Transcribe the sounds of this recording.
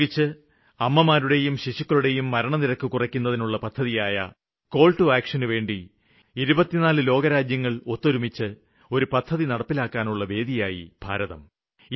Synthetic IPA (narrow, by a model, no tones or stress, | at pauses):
it͡ɕːɨ | ɐmːɐmaːɾuɽe̞jumɕiʂukːɐɭuɽe̞jumːɐɾɐɳɐniɾɐkːukurɐkʲːun̪ːɐðinuɭːɐpɐd̪̥ʰʱːɐðijaːjɐ̰ | ko̞ːɭʈuaːkʂɐnɨʋe̞ːɳɖi | iɾubɐt̪ːinaːlɨlo̞ːɡɐɾaːd͡ʑjɐŋːɐɭo̞t̪ːoɾumit͡ɕːɨ | o̞ɾupɐd̪ʱʰːɐðinɐɽɐpːilaːkːaːnuɭːɐʋe̞ːd̪ijaːjḭbʱa̰ːɾɐðɐ̰m